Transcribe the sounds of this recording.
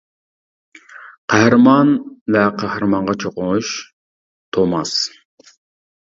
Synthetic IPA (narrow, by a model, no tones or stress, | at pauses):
qʰɑhɾmɑnvɛqʰɑhɾmɑɴʁɑt͡ʃʰoqʊŋuʃ | t̪ʰomɑs